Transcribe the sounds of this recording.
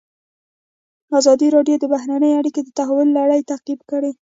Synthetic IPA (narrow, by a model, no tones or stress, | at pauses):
azɑd̪iɾɑɖjod̪əbaɦɾanəjaɽiked̪ət̪aɦawʊlːaɽəjt̪aqibkəɽe